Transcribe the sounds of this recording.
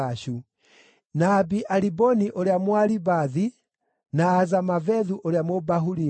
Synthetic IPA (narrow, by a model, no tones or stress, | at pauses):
aʃu | nabiʔalibɔniʔoɾeamwaɾibaði | naːzamavɛðuʔoɾeamobaɦuɾi